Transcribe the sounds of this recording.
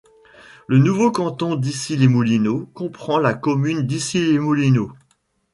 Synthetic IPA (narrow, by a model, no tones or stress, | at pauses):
lənuvokɑ̃t̪ɔ̃d̪isilemulinokɔ̃pχɑ̃lakɔmynd̪isilemulino